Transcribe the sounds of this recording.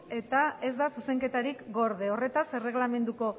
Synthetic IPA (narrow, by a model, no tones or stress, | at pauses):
e̞t̪ae̞zd̪asuse̞ŋke̞t̪aɾikɡo̞ɾðe̞o̞re̞t̪ase̞re̞ɣlame̞nd̪uko̞